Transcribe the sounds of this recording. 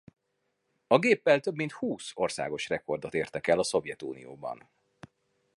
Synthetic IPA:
ɒɡeːpːɛlt̪ø̞bmint̪huːso̞rsa̰ːɡo̞ʃrɛko̞rd̪o̞t̪eːrt̪ɛkɛlɒso̞vjɛt̪ṵːnḭjo̰ːbɒ̰n

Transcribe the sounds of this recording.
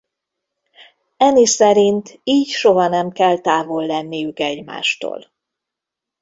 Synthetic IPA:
ɛnisɛɾint̪iːcʃoɦɒnɛmkɛlt̪aːvolːɛnːijykɛɟma̰ːʃt̪o̰ːl

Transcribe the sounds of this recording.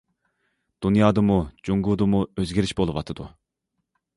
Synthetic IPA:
d̪̥unjɑːd̪əmud͡ʒuŋɡuːd̪əmuøzɡʲiɾiʃbolˠɨwɑt̪ʰɨd̪ṵ

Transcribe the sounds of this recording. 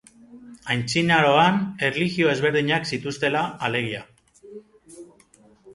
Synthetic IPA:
ajnt͡sinaɾo̞ane̞rliɣio̞e̞zβe̞ɾðiɲaksit̪ust̪e̞laːle̞ɣia

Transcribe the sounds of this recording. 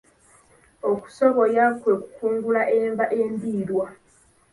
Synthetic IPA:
oku̥so̞βo̞jakwe̞ku̥kuːŋɡulaʔeːɱvaʔe̞ːmbiːlwa

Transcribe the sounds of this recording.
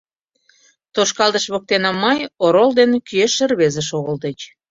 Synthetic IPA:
t̪oʃkɑld̪əʃβək̚t̪enɑmːəjoɾold̪enkyeʃːərβezə̆ʃoɣəld̪et͡ɕ

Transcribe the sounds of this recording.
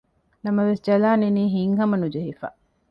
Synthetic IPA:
nɐmɐʋesd͡ʒɐlaːneniːɦiŋɦɐmɐnud͡ʒɐɦifa̰ː

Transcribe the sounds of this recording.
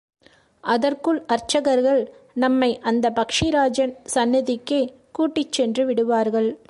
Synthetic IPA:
ʔɐðɐrkɯɭɐɾt͡ʃɐɣɐɾɣɐɭnɐmːɐɪʔɐnd̪ɐpɐkʂiɾaːd͡ʒɐnsɐnːɪðɪkːe | kuːʈːɪt͡ʃːɛndrɯʋɪɽɯʋaːɾɣɐɭ

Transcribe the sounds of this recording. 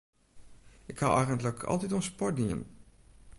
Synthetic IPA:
ɪkawʔɛjχəntləkʰɑ̰lˠtitɔnspɔɹtdiə̰n

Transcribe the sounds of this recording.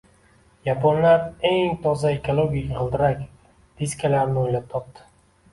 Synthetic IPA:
japʰɒnlaɾe̞ŋt̪ʰɒzaekʰolˠoɡʲikʲqɨlˠd̪ɪɾakʲ | d̪̥iskʲʰalaɾnɪojlap̚t̪ʰɒp̚t̪ɪ̥

